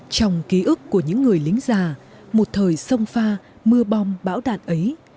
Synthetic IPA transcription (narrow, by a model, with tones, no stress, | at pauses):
t͡ɕɔ˧wŋ͡mki˨˦ʔɨ˦˥kːu˧˩əɲɨ̰˧˥ŋːɨ˨˩əjlï˨˦ŋ̟zaː˨˩ | mo˨˩t̚t̪ʰəː˨˩jsə˧wŋ͡mfaː˧ | mɨ˧əɓɔ˧wŋ͡mɓa̰ː˧˥wɗa̰ː˧˨nʔə˨˦j